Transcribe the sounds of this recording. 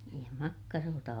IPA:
niːj jɑ mɑkːɑroːtɑ

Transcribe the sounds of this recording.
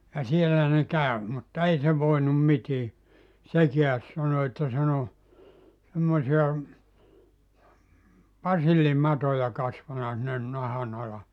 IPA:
jɑ sielːæ ne kæˑø mutːɑ ei se ʋoinum mitiː sekiæs sɑno etːæ sen o semːosiɑ pɑsilːimɑtojɑ kɑsʋɑnɑ sinːen nɑhɑn ɑlɑ

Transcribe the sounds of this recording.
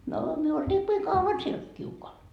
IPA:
noː myø oltiːkːiː kɑuɑn siel kiukoɑl

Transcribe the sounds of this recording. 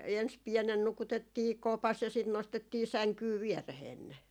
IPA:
ens piɛnen nukutetːiː kopɑs jɑ sit nostetːiː sæŋkyː ʋiɛreheːn ne

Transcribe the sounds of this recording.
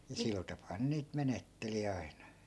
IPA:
jɑ sil tɑpɑː ne niːt menetːeli ɑi̯nɑ

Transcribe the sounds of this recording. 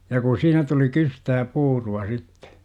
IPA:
jɑ ku siːnæ tuli kystæː puːruɑ sitːe̥

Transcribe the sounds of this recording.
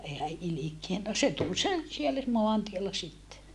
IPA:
eː hæ ʔilikien no se tul sen sielːæ moɑntielːɑ sitːe

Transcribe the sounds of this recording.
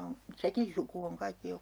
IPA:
on sekin suku oŋ kɑikːi jo

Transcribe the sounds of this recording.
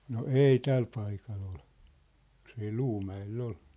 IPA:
no eˑi tæl pɑikɑl ol jos ei l̥uːmæelː ol

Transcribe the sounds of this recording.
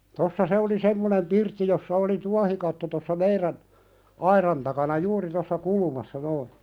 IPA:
tosːɑ se oli semːonem pirtːi josːɑ oli tuɑhikɑtːo tosːɑ meiræn ɑirɑn tɑkɑnɑ juːri tosːɑ kulumɑsːɑ noi

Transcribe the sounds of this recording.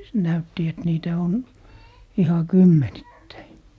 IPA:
næytːi et niːtæ on ihɑ kymːenitːæi

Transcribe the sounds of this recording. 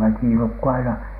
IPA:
ʋækiˑ nukːu ɑinɑ

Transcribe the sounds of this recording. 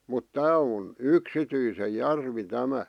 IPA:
mut tæː on yksityise jærʋi tæmæ

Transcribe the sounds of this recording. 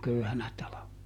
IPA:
køyhænæ tɑlɑʋenɑ

